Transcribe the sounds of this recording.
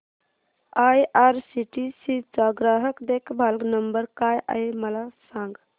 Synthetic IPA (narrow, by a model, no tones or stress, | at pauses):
ajʔaɾsiʈisit͡saɡɾaɦəkd̪ekʰbʱalɡnəmbəɾkajʔa̰jməlasãŋɡ